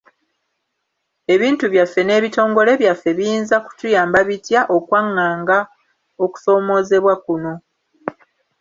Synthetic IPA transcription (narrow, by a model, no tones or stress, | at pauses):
e̞βiːntuβjafːe̞ne̞ːβito̞ːŋɡo̞le̞βjafːe̞βiiːnzaku̥tujaːmbaβitjaʔokwaŋːaːŋɡa | o̞ku̥so̞ːmo̞ːze̞βwakuno̞